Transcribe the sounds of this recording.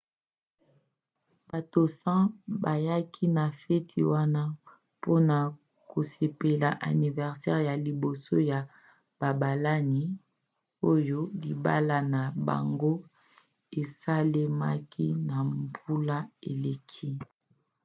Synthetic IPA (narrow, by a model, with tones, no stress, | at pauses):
ba˨to˨sã˦ba˨ja˦kʰi˦na˨fe˦tʰi˨wa˦na˦ | po˦na˨ | ko˨se˨pe˨la˨ʔa̰˨ni˨vɛ˨ʁsɛ˦ʁja˨li˨bo˨so˦ja˨ | b̥a˨ba˨la˦ni˦ | o˦jo˦li˨ba̰˦la˦na˨ba̰˨ŋɡo˦ | e˨sa˦le˦ma̰˦ki˦na˨mbu˦la˦e˨le˨kʰi˦